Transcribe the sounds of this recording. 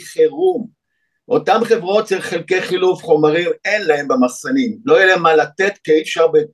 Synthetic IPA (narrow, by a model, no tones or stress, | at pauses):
χeʁum | ʔo̞t̪amχevʁo̞tt͡ʃelχelke̞jχilufχo̞maʁime̞nlaembemaχsanimlo̞jeleemalat̪e̞t̪keifʃaʁbe